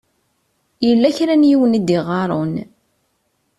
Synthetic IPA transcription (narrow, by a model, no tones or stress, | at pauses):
jəlːæçɾænjiwənid̪iʁɑɾˤon